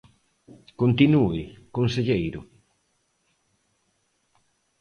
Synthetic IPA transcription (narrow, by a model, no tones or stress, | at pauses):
kont̪inuɪkonseʎejɾʊ